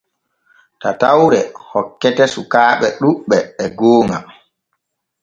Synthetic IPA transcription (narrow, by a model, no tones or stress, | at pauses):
tatawɾɛhɔkːɛtɛsukaːɓɛɗuɓɛːɡoːŋa